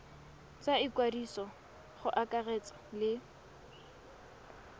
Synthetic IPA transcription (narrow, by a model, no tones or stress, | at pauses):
t͡saɪkwadisɔ | χʊʔakʼarɛt͡sɔ̥lɪ